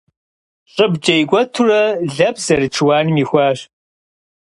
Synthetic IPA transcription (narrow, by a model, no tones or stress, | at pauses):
ɕʼɨbt͡ʃʼɐjɡʷɔtʰurɐɮɐbzɐrɨt͡ʃʰɨwaːnɨmiːxʷaːɕ